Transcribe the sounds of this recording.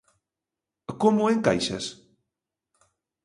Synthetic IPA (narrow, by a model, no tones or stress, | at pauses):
komʊeŋka̰jʃa̰s